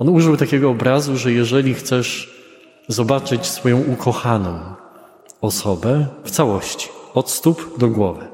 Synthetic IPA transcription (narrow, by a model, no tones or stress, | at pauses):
ɔnuʐɘwt̪akʲɛɡɔːbɾazuʐɛjɛʐɛlʲixt̪sɛʂ | zɔbat͡ʂɘt͡ɕsfɔjɔ̃w̃ukʰɔxanɔ̃w̃ | ɔsɔbɛft̪sawɔɕt͡ɕi̥ɔt̪st̪upd̪ɔɡwɔvɘ